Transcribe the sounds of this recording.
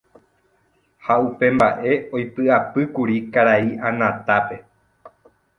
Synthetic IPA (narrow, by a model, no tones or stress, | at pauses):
haupe̞mbaʔe̞o̞jpɨapɨkuɾikaɾaiʔãnãt̪ape̞